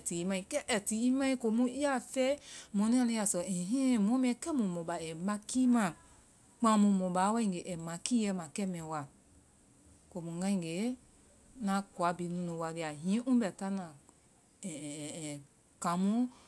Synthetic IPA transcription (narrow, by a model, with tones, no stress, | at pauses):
ti˨i˦mã˧ĩ˧˨kɛ˦ʔɛ˨ti˨i˦mã˦ĩ˦ko˨mũ˦i˦a˦fɛ˦mɔ̃˨nĩ˦ã˧li˧˦a˨sɔ˨ɛ̃˨ɦĩ˦˨mɔ̃˨˦mĩ˦ɛ˧kɛ˦mũ˨mɔ̃˨ba˨ɛ˨mã˧ki˦mã˨ | k͡pã˧˦mũ˧mɔ̃˨ba˨˦wa˦ĩ˨ŋɡe˨ʔɛ˨mã˨ki˦jɛ˧˦mã˨kɛ˦mɛ̃˨˦wa˨ | ko˨mũ˨ŋɡã˦ĩ˨ɡe˨˦ | nã˨˦kwa˨˦bi˨˦nũ˧˦nũ˨wa˧li˧˨a˨ɦĩ˨˦ʔũ˦bɛ˨ta˦nã˨ | ɛ˨ | kã˨˦mũ˦